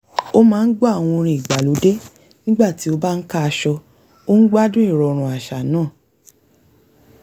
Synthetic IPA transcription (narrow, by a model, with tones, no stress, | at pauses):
o˦mãː˨˦n̩˦ɡ͡bɔ˦a˦˨w̃ɔ̃˧o˧ɾ̃ĩ˧˨i˨ɡ͡ba˨lo˨˦de˦ | nĩ˦ɡ͡ba˦˨ti˨˦o˧ba˦n̩˦ka˦˧ʃɔ˧ | o˦n̩˦ɡ͡ba˦dũ˦i˦˨ɾɔ˧ɾ̃ũ˨a˨ʃa˨nãː˦˨